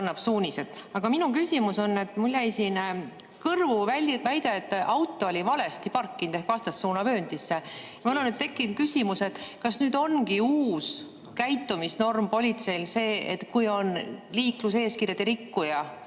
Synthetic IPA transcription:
nːɑb̥suːnʲise̞t̪ɑɡ̥ɑminukysʲimuso̞nːe̞t̪ːmulʲːæjsin | kɤrvuævæjd̪e̞t̪ːʔɑwt̪ˑːo̞olʲivɑle̞st̪ipɑrkːint̪e̞hkvɑst̪ɑsːuːnɑvø̞ːnʲd̪̥isːejɑmolenyd̪̚t̪e̞kːˑin̚kysʲimuse̞t̪kɑsnyːd̪̥o̞nɡiuːs | kæjt̪ːˑumisno̞rmpo̞lʲit̪se̞jlse̞ːḛt̪kujo̞nliːkluse̞ːskirjɑd̪eɾikːujɑ

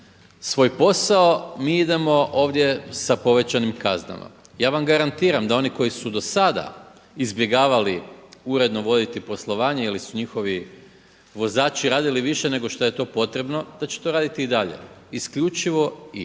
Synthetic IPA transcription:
sʋo̞ːjpo̞saomiːid̪e̞mo̞ʔo̞ːʋd̪je̞sapo̞ʋe̞t͡ɕanimkazna̰ma̰ | jaːʋamɡaɾant̪iːɾamd̪ao̞niko̞jisud̪o̞sad̪a̰ | izbje̞ɡaːʋaliuɾe̞d̪no̞ʋo̞d̪it̪ipo̞slˠo̞ʋaːɲeilisuɲixo̞ʋi | ʋo̞zaːt͡ʃiɾaːd̪iliʋiʃene̞ɡo̞ʃt̪oje̞t̪o̞ːpo̞t̪ɾe̞bno̞d̪̥at͡ɕe̥t̪o̞ːɾaːd̪it̪iːd̪aʎe̞̰iskʎut͡ʃiʋo̞i

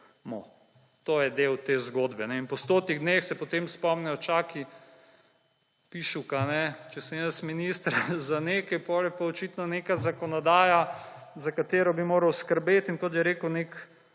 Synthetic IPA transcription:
mɔ | t̪ojɛd̪ewt̪eːzɡoːd̪bɛnɛinpɔst̪oːt̪niɣd̪nexsɛpɔt̪emspɔmnɛjɔt͡ʃaːki | piʃukanɛt͡ʃɛsəmjəsminist̪ɾazaneːkɐjpɔljɛpaɔt͡ʃiːt̪nɔnekazakɔnɔd̪aːjazakat̪eːɾɔbimoːɾɐwskəɾbet̪iŋkɔt̪̬jɛɾeːkəwnek

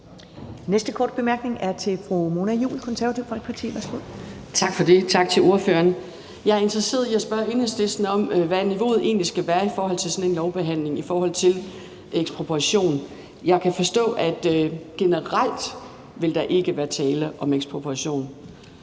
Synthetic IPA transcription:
nesd̥əkʰɒːd̥̚b̥e̝mæɐɡ̥ne̝ŋæɐt͡sʰe̝fʁumo̝næjṵːlkʰɒ̽nsæɐʋæt͡sʰiʊ̰fɒ̽lɡ̥pʰɑ̈t͡sʰḭːʋæɐsɡ̥oð̰ˠ | t͡sʰɑ̈ɡ̥fɒ̽de̝t͡sʰɑ̈ɡ̥̚t͡sʰe̝lo̝ɐføɐn | jɑ̈ɪɐe̝nd̥ʁɐse̝̰ːɐðˠiæsb̥ɶɐenəsd̥esd̥nɒ̽mʋæniʋo̝̰ːð̩ˠʔe̝̰ːnlisɡ̥æʋæːɐifɒːɦɒ̽l̰t͡sʰe̝lsɒ̽ne̝nlɒʊb̥e̝ɦæn̰le̝ŋifɒːɦɒ̽l̰t͡sʰe̝l | eɡ̥spʰʁopʰuʁɑɕo̝̰ːn | jɑ̈ɪkʰæfɒ̽sd̥ɔ̰̽ːʔæd̥ɡ̥e̝nəʁal̰d̥ | ʋe̝ld̥ɑ̈ʔe̝ɡ̥əʋæːɐt͡sʰɛːləʔɒ̽meɡ̥sbpʰʁopʰuɑɕo̝̰ːn

